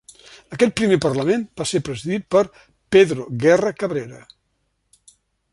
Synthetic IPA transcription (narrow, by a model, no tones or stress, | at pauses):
əkɛt̪̚pɾimepərləmenb̥asepɾəziðit̪̚pəɾ | peðɾoɣɛrəkəβɾeɾə̰